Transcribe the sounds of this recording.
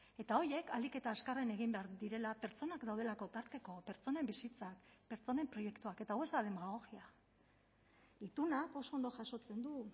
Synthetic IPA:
e̞t̪ao̞je̞kalike̞t̪aːskarene̞ɣ̞imbeaɾd̪iɾe̞lape̞ɾt͡so̞nakd̪awð̞e̞lako̞t̪aɾt̪e̞ko̞pe̞ɾt͡so̞ne̞mbisit͡sakpe̞ɾt͡so̞ne̞mpɾo̞je̞kt̪uake̞t̪awe̞zd̪aðe̞maɣ̞o̞ɣia | it̪unako̞so̞ond̪o̞ʝaʃo̞t͡se̞nd̪u

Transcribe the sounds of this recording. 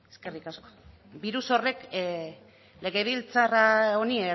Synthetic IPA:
eske̞rikasko̥ | biɾuso̞re̞k | le̞ɣ̞e̞β̞ilt͡saraonie

